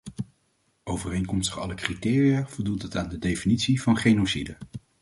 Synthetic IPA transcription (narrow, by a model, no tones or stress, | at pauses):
owvərejŋkɔmstəχɑ̰ləkritɪːrijaːv̥ɔlˠdutətaːndədejfinitsivɑnχejnosidə